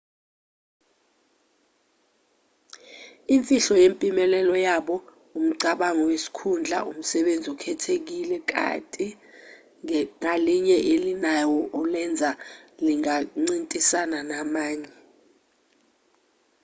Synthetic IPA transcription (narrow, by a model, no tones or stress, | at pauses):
iɱfʼiɬɔjempʼimɛlɛlɔjaɓɔ | um̩ǀaɓaŋɔwesi̥kʰund͡ɮʱa̰ʔum̩sɛɓend͡zʱiukʰɛtʰek̬ilɛk̬ʼa̰tʼi | ŋaliɲɛʔelinajɔʔɔlɛnd͡zʱaliŋaŋ͡ǀintʼisananamaːɲɛ